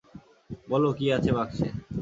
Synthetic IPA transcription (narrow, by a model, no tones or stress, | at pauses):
bɔlokiat͡ɕʰebakʃʰe